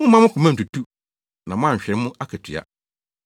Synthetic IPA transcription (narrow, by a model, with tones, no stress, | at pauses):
mʊ̃˦mã˦mʊ̃˦kʰʊ˨mã˦n̩˨tu˨tʰu˦ | nã˨mʊ̃˦ã˦˨ɲ̩˨ɕᶣɛ˨˦mʊ̃˦a˦kʰɛ˨tʰɥa̰˨